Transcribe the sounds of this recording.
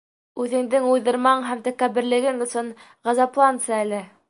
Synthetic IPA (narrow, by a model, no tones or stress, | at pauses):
ʉðɘ̆ŋd̪ɘŋujðɤ̆ɾmɑɴɦæmt̪ækːæβɘ̆ɾlɘ̆ɡɘŋɵ̆sɤɴ | ʁɑzɑplˠɑnt̪sɤælɘ